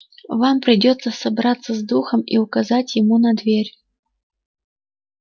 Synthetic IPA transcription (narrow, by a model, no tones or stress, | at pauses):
vampɾʲɨdʲɔt̪sːəsɐbɾat̪sːəzd̪uxəmḭʊkazatʲjɪmunɐd̪vʲerʲ